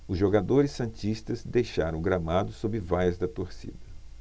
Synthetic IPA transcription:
ʊzʒoɡad̪oɾɪsːɐ̃t͡ʃist̪ɐzd̪ejʃaɾɐ̃ɡɾamad̪ʊsobɪvajɐzd̪ɐt̪oɾsḭd̪ɐ

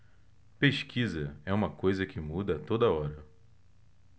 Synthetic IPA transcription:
peʃkʰizɐɛũmɐkojzɐkʰɪmud̪ɐt̪od̪ɐɔɾɐ

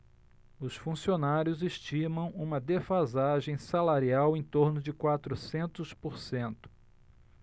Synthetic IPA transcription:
ʊsfũsionaɾjʊzeʃt͡ʃimɐ̃w̃ũmɐd̪efazaʒẽj̃salaɾiawẽj̃t̪oɾnʊd͡ʒɪkwat̪ɾʊsẽnt̪ʊspoɾsẽnt̪ʊ̥

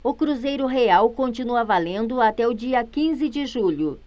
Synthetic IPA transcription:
ʊkɾuzejɾʊɦeawkõnt͡ʃinuɐvalẽnd̪ʊat̪ɛʊd͡ʒiɐkĩzɪd͡ʒɪʒuʎʊ

